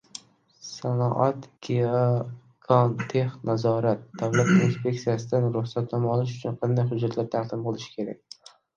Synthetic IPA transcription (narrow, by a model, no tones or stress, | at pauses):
sanɒʔat̪kʲe | kʰɒnt̪ʰe̞hnazɒɾat̪̚d̪̥avlat̪inspʲe̞k̚t̪sijasɪd̪anɾʊχsat̪namɒlɪʃʊ̥t͡ʃʰʊnqʰɑnd̪ajɦʊd͡ʒːat̪laɾt̪ʰaqd̪ɪmbolˠɪʃɪ̥kʲʰe̞ɾak̚ʲ